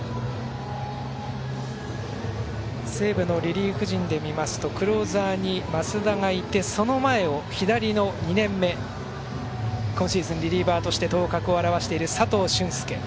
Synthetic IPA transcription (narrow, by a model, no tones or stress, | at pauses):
se̞ːbɯ̟no̞ɾʲiɾʲiːkɯ̟ʑĩnd̪e̞mʲimasɨ̥t̪o̞kɯ̟ɾo̞ːzaːɲ̟imasɨd̪aŋait̪ːe̞so̞no̞mae̞o̞çid̪aɾʲino̞ɲ̟inẽ̞mːe̞ | kõ̞ɕiizɨ̃nɾʲiɾʲiːbaːt̪o̞ɕi̥t̪e̞t̪o̞ːkakɯ̟o̞aɾaβaɕi̥t̪e̞iɾɯ̟sat̪o̞ːɕɨ̃ɰ̃sɨ̥ke̞̰